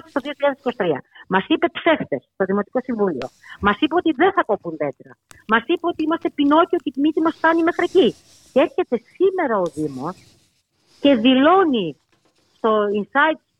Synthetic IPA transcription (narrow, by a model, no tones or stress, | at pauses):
t̪st̪o̞ðio̞çiʎɐðesi̥kosi̥t̪ɾiɐ̰mɐsipe̞t̪fe̞ft̪e̞st̪o̞ðimo̞t̪i̥ko̞siɱvulio̞̰mɐsipeo̞t̪iðe̞nθɐko̞punðe̞t̪ɾɐ̰mɐsipeot̪iimɐst̪e̞pino̞cio̞cet̪imit̪imɐsft̪ɐnime̞xɾeci | cee̞ɾçe̞t̪e̞sime̞ɾɐo̞ðimo̞s | ce̞ðilo̞ni | st̪o̞insɐit̪